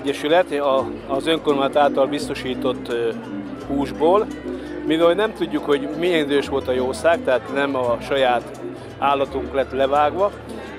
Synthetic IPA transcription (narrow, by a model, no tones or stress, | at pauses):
ɟːɛʃylɛt̪ɒːzøŋkormaːnt̪aːlt̪ɒlbist̪o̞ʃiːt̪o̞t̪ː | huːʒboːl | mivɛlnɛmt̪uɟːukho̞ɟmijɛnid̪øːʃʋo̞lt̪ɒjoːsaːk̚t̪ɛɦaːt̪nɛmɒʃɒjaːt̪ | aːlːɒt̪uŋklɛt̪lɛvaːɡʋɒ